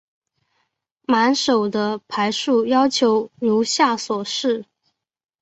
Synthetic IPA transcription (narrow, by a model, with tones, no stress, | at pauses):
ma˧˥nʂo˨˩ʊd̪ə˦pʰa˧˥ɪʂu˥˩jɑ˥ʊt͡ɕʰjo˧˥ʊlu˧˥ɕja˥˩swɔ˨˩ʂɻ̩˥˩